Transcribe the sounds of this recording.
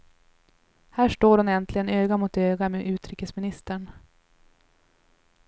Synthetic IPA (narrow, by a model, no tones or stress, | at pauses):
hæːʂʈoːɾʊnɛnt̪ʰlɪɡənøːɡamʊt̪øːɡameʔʉ̟ːt̪ɾiːkəsmɪnɪst̪əɳ